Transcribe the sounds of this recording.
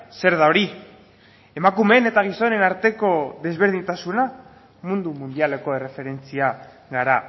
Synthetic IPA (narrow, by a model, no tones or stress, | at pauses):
se̞ɾðao̞ɾi | emakume̞ne̞t̪aɣ̞iso̞ne̞naɾt̪e̞ko̞ðe̞zβ̞e̞ɾð̞iɲt̪asuna | mund̪umund̪iale̞ko̞e̞re̞fe̞ɾe̞nt͡sia | ɣaɾa